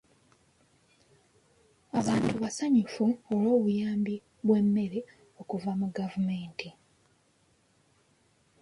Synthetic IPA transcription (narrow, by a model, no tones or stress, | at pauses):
aβaːntuβasaɲifuolo̞ːβujaːmbi | βwe̞mːe̞ɾe | o̞kuvamuɡavume̞ːnti